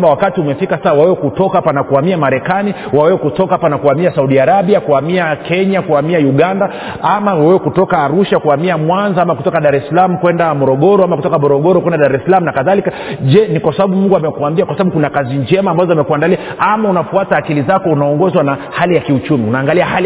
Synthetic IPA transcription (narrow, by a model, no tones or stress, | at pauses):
awakatiumɛfikasasawawɛwɛkutɔkapanakuamiamaɾɛkani | wawɛwɛkutɔkaapanakuamiasauɗiaɾaɓiakuamiakɛɲakuamiajuɠanda | amawawɛwɛkutɔkaːɾuʃakuamiamwanzaamakutɔkaɗaɾɛsalamukwɛndamɔɾɔɠɔɾɔamakutɔkamɔɾɔɠɔɾɔkwɛndaɗaɾɛsalamunakaðalika | ʄɛnikwasaɓaɓumuŋɡuamɛkuambiakwasaɓaɓukunakaziɲd͡ʒɛmaːmbazɔamɛkuandaliaʔamaunafuataːkilizakɔunaɔŋɡɔzwanahalijakiut͡ʃumiunaːŋɡaliahal